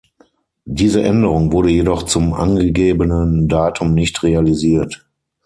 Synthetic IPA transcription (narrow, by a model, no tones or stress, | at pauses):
d̥iːzəʔɛndəʁ̞ʊŋvʊɐɾəjedɔχt͡sʊmʔa̰nɡəɡeːbənəndaːtʰʊmnɪçtʁealiziːɐt